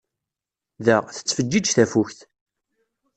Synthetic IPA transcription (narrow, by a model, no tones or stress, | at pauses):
ðəʁθə̥t͡sːfəd͡ʒːid͡ʒθæfuçθ